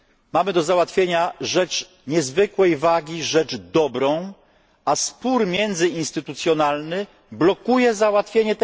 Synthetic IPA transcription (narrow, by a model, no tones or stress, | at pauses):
mamɘd̪ɔzawat̪fʲjeɲaʐɛt͡ʂ | ɲɛzvɘkwɛjvaɡʲiʐɛd͡ʐd̪ɔbɾɔ̃w̃ | aspuɾmʲjɛnd̪zɘinst̪ɘt̪ut̪sʲjɔnalnɘ | blɔkujɛzawat̪fʲjeɲɛt̪ɛ